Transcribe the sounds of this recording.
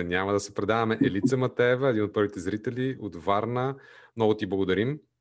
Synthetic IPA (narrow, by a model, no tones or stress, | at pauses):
nʲamɐd̪ɐsɛpɾɛd̪avɐmɛʔɛlit̪səmɐt̪ɛvəɛd̪inot̪̚pɤɾvit̪ɛzɾit̪ɛliod̪vaɾnəmnɔɡʊt̪iblˠɐɡod̪ɐɾim